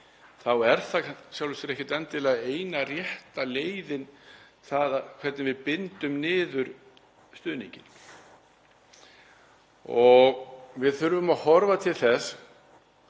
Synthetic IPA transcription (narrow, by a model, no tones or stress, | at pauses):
θawɛɾ̥θasjawlɛsɪɾɛhcɪt̪ɛnt̪ːɪlaeːjnarjɛht̪aleːjðɪnθaðakʰv̥ɛɾt̪nɪvɪðpɪnt̪ʏmnɪːðʏɾ | st̪ʏːðniɲcɪn | ɔɣvɪðθʏɾvʏmaðhɔɾvat̪ʰɪlθɛs